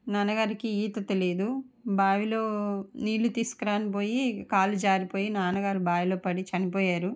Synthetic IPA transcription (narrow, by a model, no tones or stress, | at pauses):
naːnɐɡaːɾikiiːt̪ɐt̪elid̪u | baːʋilo̞ːniːlːut̪iːsu̥kɐɾaːnip̬oːjikaːlud͡ʒaːɾipo̞ːjinaːnɐɡaːɾubaːʋilo̞ːpɐɽit͡ʃɐnipoːjaːɾu